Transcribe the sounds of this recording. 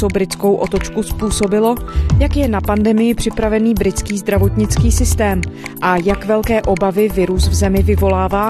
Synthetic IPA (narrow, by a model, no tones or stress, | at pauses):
obɾɪt͡sko̞wʔo̞t̪ot͡ʃkuspuːso̞bɪlo̞jakjɛnapandɛmɪjɪpr̝̥ɪpɾavɛniːbɾɪt͡skiːzd̪ɾavo̞t̪ɲɪt͡skiːsɪst̪ɛːmʔajakvɛlkɛːʔo̞bavɪvɪɾusvzɛmɪvɪvo̞laːvaː